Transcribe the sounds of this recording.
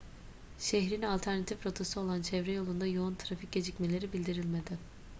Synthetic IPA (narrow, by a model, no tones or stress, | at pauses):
ʃɛçɾinalʲt̪ʰæɾnat̪ʰifpɾot̪ʰosɯo̞lˠant͡ʃʰɛvɾɛjo̞lˠund̪ajount̪ʰɾafic̚ɟe̞d͡ʒicmelʲe̞ɾibilʲd̪iɾilʲme̞d̪ɪ